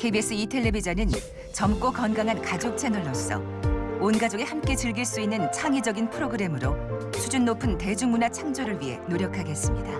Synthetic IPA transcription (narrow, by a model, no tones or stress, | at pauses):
kʰe̞jbies͈ʰɯitʰe̞ɭːe̞bid͡ʑanɯn | t͡ɕʌmk͈okʌnɡaŋɦankad͡ʑok̚t͡ɕʰe̞nʌɭːʌs͈ʌ̰ | onɡad͡ʑoɡe̞hamk͈e̞t͡ɕɯɭɡiɭs͈uinːɯnt͡ɕʰaŋid͡ʑʌɡinpʰɯɾoɡɯɾe̞mɯɾosʰud͡ʑunːopʰɯnte̞d͡ʑuŋmːunat͡ɕʰaŋd͡ʑoɾɯɭɥiɦe̞̰noɾjʌkʰaɡe̞s͈ɯmɲida